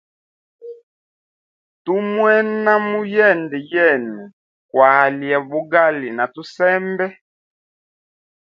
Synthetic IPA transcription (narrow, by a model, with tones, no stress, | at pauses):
tu˦mwɛ˦nna˦mu˦jɛ˦˨ndɛ˨jɛ˦˨nɛ˨ | kwa˨ljɛ˨bu˦ɡa˦li˨na˨tu˦sɛ˦mbɛ˦